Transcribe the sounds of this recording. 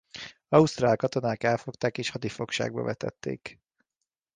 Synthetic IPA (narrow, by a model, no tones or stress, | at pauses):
ɒust̪raːlkɒt̪o̞naːkɛlfo̞kt̪aːkeːʃhɒd̪ifo̞kʃa̰ːɡ̚bɒ̰vɛt̪ɛ̰t̪ːḛːk